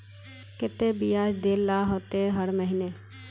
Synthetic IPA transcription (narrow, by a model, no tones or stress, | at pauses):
kɪt̪ebijaːd͡ʒd̪eːlːaːɦoːt̪eɦəɾməɦineː